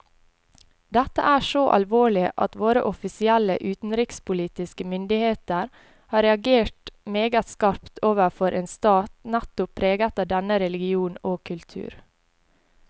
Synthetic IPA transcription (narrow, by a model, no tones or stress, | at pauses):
d̪ɛt̪ə̰ʔæːʃoːʔɑ̰lʋoːɭɪʔɑ̰t̪ʋoːɾə̰ʔɔfɪsɪælə̰ʔʉːt̪n̩ɾɪkspʊliːt̪ɪskəmʏnd̪ɪheːt̪əɾ | hɑːɾɛɑɡeːʈmeːɡət̪skɑɾpt̪ʰoːʋəfɔɾʔeːnst̪ɑːt̪næt̪ʊpʰɾeːɡət̪əd̪ɛnəɾɛlɪɡɪuːnoːkʰʉlt̪ʰʉ̰ːɾ